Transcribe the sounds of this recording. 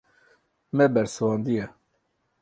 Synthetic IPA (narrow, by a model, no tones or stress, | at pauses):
mɛbɛɾsɨwɑːnd̪ijɛ